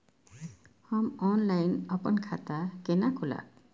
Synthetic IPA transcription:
hɔmɔnlajnɔpɔnkʰat̪akenakʰula̰

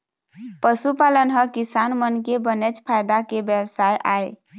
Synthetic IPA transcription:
pəsupalənɦəkisanmənkebənet͡ʃpʰajd̪akebjəwsajʔa̰e

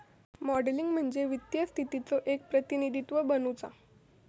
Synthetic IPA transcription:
mɔɖliŋɡm̤əɳd͡zeʋit̪jəst̪ʰit̪it͡soʔek̚pɾət̪inid̪ʱit̪ʋəbənut͡sa̰

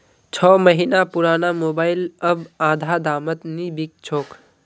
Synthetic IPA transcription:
t͡ʃʰɔːməɦinapuɾaːnamoːbaːɪləbãːd̪ʱad̪aːmət̪nibik̚t͡ʃʰoːk

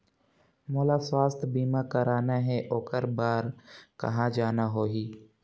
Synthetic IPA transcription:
moːlaːswaːst̪ʰbiːmakəɾaːnaɦɛʔoːkəɾbaːɾkɐ̰ɦãːd͡ʒaːnaɦoːɦiː

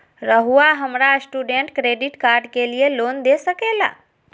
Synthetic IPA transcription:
ɾəɦuaɦəmɾasʈuːɖeɳʈkɾeːɖiʈkaːɾɖkelijeloːnd̪esəkeːla̰ː

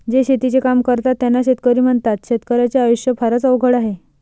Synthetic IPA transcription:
d͡zeɕet̪it͡sekamkəɾt̪at̪ːjanːaɕet̪kəɾiːm̤əɳt̪at̪ɕet̪kəɾjat͡seajuɕjəpʰaɾət͡səʋɡʱəɽaɦe

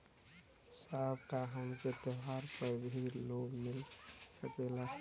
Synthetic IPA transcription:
sabkaɦəmket̪əɦaɾpəbʱiɾloɡmilsəkela

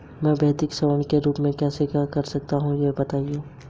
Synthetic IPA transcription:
mɛ̃ːbɛːd̪ɪksɐʋəɳ̃keɾuːpmẽkjɛːsekjakɐɾsɐk̚t̪aɦũjebɐt̪aːieː

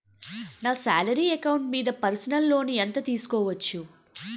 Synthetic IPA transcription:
naːsaːlɐɾiːɐkɐwuɳʈmiːd̪ɐpɐɾsɐnɐlːo̞ːnient̪ɐt̪iːsu̥kɔːʋɐt͡ʃːu

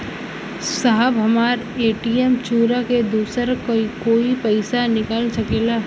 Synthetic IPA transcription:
saɦəbɦɐmaːɾ | eːʈiemt͡ʃuːɾaked̪uːsəɾkoikoːipɛɪsanɪkaːlsɐkeːla

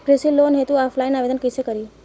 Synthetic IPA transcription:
kɾesilːoːnɦet̪uaːpʰlaːɪnaːʋeːd̪ənkəsekəɾiː

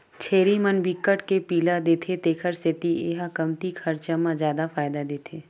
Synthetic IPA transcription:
t͡ʃʰeːɾimənbikːəʈkepiːlad̪eːt̪ʰet̪eːkʰəɾset̪ieːɦakɐmt̪ikʰɐɾt͡ʃamãzjaːd̪afaːɪd̪ad̪eːt̪ʰeː

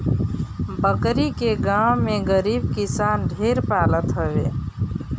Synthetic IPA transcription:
bəkɾikeɡawmeɡəɾibkisanɖʱeɾpalət̪ɦəbḛ

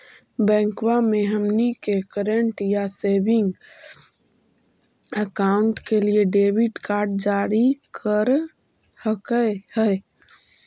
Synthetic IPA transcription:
bɛ̃ːŋkwamẽɦəmnikekəɾeɳʈjasebɪ̃ŋɡ | əkaʊɳʈkelieɖebiʈkaːɾɖ̚d͡ʒaɾikʰəɾ | həkəhəɪ

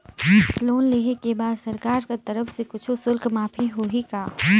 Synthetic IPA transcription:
loːnleːɦekebaːd̪sɐɾkaːɾkat̪ɐɾəfsekʊt͡ʃʰosʊlkmaːpʰiɦoːɦikaː

